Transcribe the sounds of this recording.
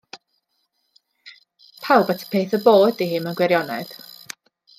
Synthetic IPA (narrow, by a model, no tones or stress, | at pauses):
pʰalˠbatʰə̥pʰeːθəboːdihɨmanɡwɛɾjɔnɛ̰d̥